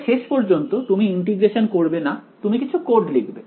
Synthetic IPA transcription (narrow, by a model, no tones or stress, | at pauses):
ʃeʃpɔɾd͡ʑont̪ot̪umiiɳʈiɡɾeʃonkoɾbenat̪umikit͡ɕʰukoɾɖleɡʰʱbe